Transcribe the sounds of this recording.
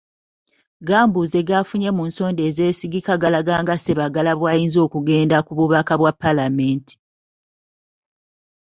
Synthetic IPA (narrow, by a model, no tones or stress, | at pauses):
ɡaːmbuze̞ɡafuɲe̞muːnso̞ːnde̞ːze̞ːsiɡikaɡalaɡaːŋɡase̞βaɡalaβwaːjiːnzo̞ːkuɡe̞ːndakuβuβakaβwapːalame̞ːnti̥